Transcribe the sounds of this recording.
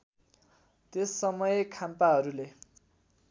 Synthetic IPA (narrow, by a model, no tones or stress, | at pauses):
t̪esːʌmʌjekʰampaɦʌɾule